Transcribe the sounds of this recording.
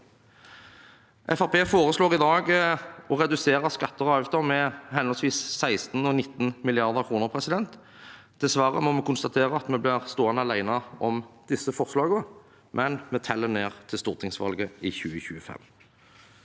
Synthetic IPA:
ʔɛfɑʁpʰeːfoːʁəsloːʁɪd̪ɑːɡɔʁɛd̪ʉseːʁəskɑt̪ːəʁɔɑʋt̪ʰɔmɛhɛnɔlsʋiːsːæɪst̪n̩ɔnɪt̪ːn̩mɪlɪɑʁd̪əʁkʰʁuːnəʁpʰʁɛsɪd̪ɛnt̪ | d̪ɛsʋɑːʁəmɔmɛkʊnst̪ɑt̪ʰeːʁəɑt̪mɛblɪʁst̪oːənəɑlæɪnəɔmd̪̥ɪsːəfɔʁslɑːɡə | mʔɛnmɛt̪ʰɛlːəneːʁt̪ʰɪlst̪ʊʁt̪ʰɪŋsʋɑ̰lɡəɪçʉːəçʉːəfɛ̰m

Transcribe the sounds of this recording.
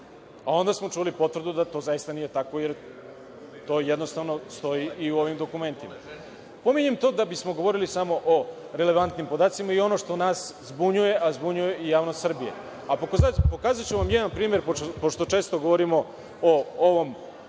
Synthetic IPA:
ao̞nd̪asmo̞t͡ʂulipo̞t̪vr̩d̪ud̪at̪o̞zajist̪aniːje̞t̪akʋo̞jeɾ | t̪o̞ːjed̪no̞st̪aʋno̞st̪o̞iʔiuo̞ʋimd̪o̞kume̞nt̪ima̰ | po̞miɲemt̪o̞d̪abismo̞ɡo̞ʋo̞ɾilisamo̞ʔo | ɾe̞le̞ʋant̪nimpo̞d̪aːt̪simaio̞no̞ʂt̪onaːszbuɲuje̞ʔazbuɲuje̞ijaːʋno̞st̪sr̩bije̞̰ | apokzapo̞kaːzat͡ɕuʋamjɛd̪anpɾiːme̞ɾppoʃt̪o̞t͡ʃe̞ːst̪oɡo̞ʋoɾimo̞ | ooʋo̞m

